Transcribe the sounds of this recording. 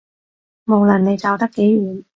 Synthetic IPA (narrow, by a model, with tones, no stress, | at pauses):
mo˨˧wlɐ˨˩nne˨˧jt͡sɐ˨wt̪ɐ˥kːe˨˥jɥyː˨˩n